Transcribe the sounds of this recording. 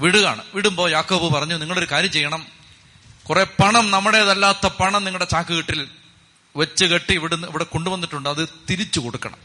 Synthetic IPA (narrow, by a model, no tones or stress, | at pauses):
ʋiɽuɣa̰ːɳɨ̰ʋiɽumbo̞ːjaːkːoːbɨpɐrɐɲːuniŋːɐɭo̞ɾukaːɾjɐmt͡ɕe̞jːɐɳɐm | kure̞ːpɐɳɐmnɐmːɐɽeɐðɐlːaːt̪ːɐpɐɳɐmniŋːɐɭɨɽet͡ɕaːkːɨɣiʈːil | ʋɐt͡ɕːɨɣeʈːiːʋiɽunːɐʋiɽeko̞ɳɖuʋɐnːiʈːuɳɖɨɐðɨt̪iɾit͡ɕːukoɽukːɐ̰ɳɐ̰m